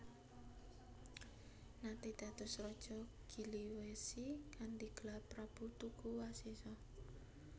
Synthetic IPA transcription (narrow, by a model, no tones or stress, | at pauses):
nat̪id̪̥ä̤t̪ʊ̤srɔd̥ʒ̥ɔ | ɡ̥iliwesikand̪iɡ̥lapɾab̥ut̪ukuwasisɔ